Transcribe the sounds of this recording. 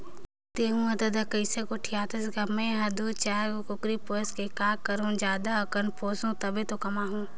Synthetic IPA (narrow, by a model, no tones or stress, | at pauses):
t̪eːɦũːɐd̪əd̪ɐkəɪsekoʈʰijaːt̪ɐsɡɐmẽɦɐd̪ut͡ʃaːɾkʊkɾipoːskekaːkɐɾõːd͡ʒaːd̪aɐkənpʰoːsõːt̪ɐbet̪okɐmaːɦũː